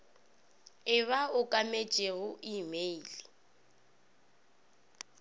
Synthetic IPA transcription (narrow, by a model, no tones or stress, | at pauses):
ɪβaʊkʼamet͡ʃʼeɣʊʔimeili